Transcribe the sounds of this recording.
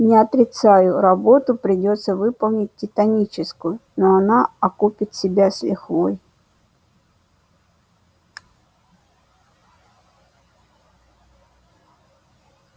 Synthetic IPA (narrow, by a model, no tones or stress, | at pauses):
nʲɪɐt̪ɾʲɪt̪sajʊɾɐbo̞t̪ʊpɾʲɪdʲot̪səvɨpəlˠnʲɪt̚ʲtʲɪt̪ɐnʲit͡ɕɪskʊjʊnoɐnaɐkupʲɪt̪sʲɪbʲasʲlʲɪxvoj